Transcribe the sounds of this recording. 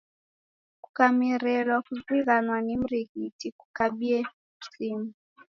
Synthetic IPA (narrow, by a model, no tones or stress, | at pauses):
ku̥kamiɾɛlwakuziɣanwanim̩ɾiɣitiku̥kaɓiɛ | usimu